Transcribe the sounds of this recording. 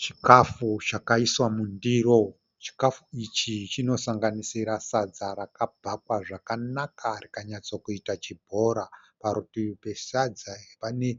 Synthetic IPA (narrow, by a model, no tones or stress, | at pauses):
t͡ʃikafut͡ʃakaiswamundiro̞ | t͡ʃi̥kafuit͡ʃit͡ʃino̞saŋɡanisiɾasad͡zaɾakabʱakwaʐakanakaɾikaɲat͡swakuitat͡ʃibʱo̞ɾa | paɾutipe̞sad͡zaepane